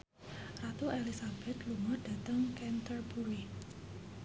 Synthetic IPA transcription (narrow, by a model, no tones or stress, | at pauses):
rat̪uelisab̥ɛt̪luŋɔd̥a̤t̪əŋkɛnt̪ərbuɾi